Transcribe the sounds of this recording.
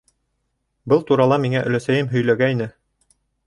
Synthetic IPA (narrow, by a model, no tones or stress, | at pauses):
bɤlˠt̪uɾɑlˠɑmiŋæʔɵ̆læsæjɘmɦɵ̆jlæɡæjnɘ